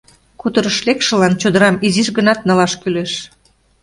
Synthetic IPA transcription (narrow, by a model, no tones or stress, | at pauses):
kut̪əɾəʃlekʃə̆lɑnt͡ɕod̪əɾɑmiziʃɡənɑt̪̚nɑlɑʃkyleʃ